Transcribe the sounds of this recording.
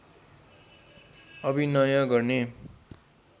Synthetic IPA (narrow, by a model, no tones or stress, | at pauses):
ʌbinʌjʌ̃ɡʌrne